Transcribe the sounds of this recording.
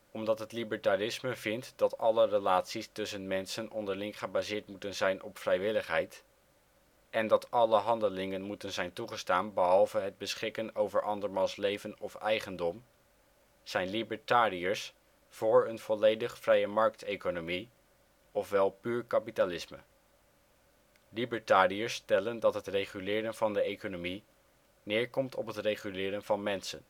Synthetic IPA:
ɔmdɑtɦətlibəɹtarɪsməvɪntdɑtɑlərəlaːtsistɵsənmɛnsənʔɔndəɹlɪŋχəbaːzɪːɹtmutənzɛjnʔɔpfrɛjʋɪləχɦɛjt | ʔɛndɑtɑləɦɑndəlɪŋənmutənzɛjntuχəstaːnbəɦɑlˠvəɦəd̚bəsχɪkənowvəɹʔɑndəɹmɑlˠslejvənɔfɛjχəndɔm | z̥ɛjnlibəɹtaːɾiəɹs | fʊːɹənv̥ɔlejdəχfrɛjəmɑɹk̚tejkonomi | ɔfʋɛlˠpyːɹkapitalɪsmə̰ | libəɹtaːriəɹstɛləndɑtɦətrejχylɪːɾənvɑndəejkonomi | nɪːɹkɔmtʰɔ̰pɦətrejχylɪːɾənvɑnmɛnsə̰n

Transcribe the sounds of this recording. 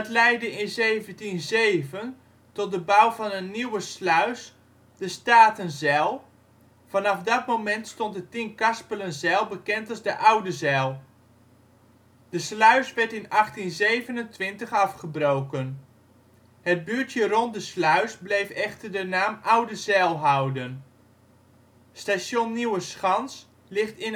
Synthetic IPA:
ətlɛjdəɪnzejvəntinzejvən | tɔt̚dəbawvɑnənːiwəslœɥs | d̥əstaːtənzɛlˠ | vɑnɑfdɑtmowmɛntstɔntdətɪŋkɑspələnzɛlˠbəkɛntɑlˠzdəʔawdəzɛlˠ | d̥əslœɥsʋɛɹtɪnɑχtinzejvənəntʋɪntəχɑfχəbrowkən | həd̚byːɹtjərɔnt̚dəslœɥsblejfɛχtəɹdənaːmʔawdəzɛlˠɦʌwdən | stasonːiwəsχɑns | lɪχtɪn

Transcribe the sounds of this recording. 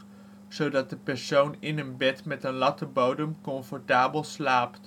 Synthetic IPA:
z̥owdɑt̚dəpɛɹsownɪnənbɛtmɛtənlɑtəbowdəmkɔɱfɔɹtaːbəlˠslaːpt

